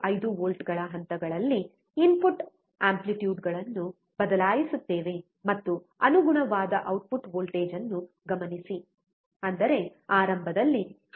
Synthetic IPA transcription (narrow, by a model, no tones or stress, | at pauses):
ɐjd̪uʋoːlʈɡɐɭɐɦɐnt̪ɐɡɐɭɐlːi | inpuʈ | aːmpliʈjuːɖɡɐɭɐnːu | bɐd̪ɐlaːjisut̪ːeːʋe̞ | mɐt̪ːu | ɐnuɡuɳɐʋaːd̪ɐʔɐwʈ̚puʈʋoːlʈeːd͡ʒɐnːu | ɡɐmɐnisi | ɐnd̪ɐɾe̞aːɾɐmbʱɐd̪ɐlːi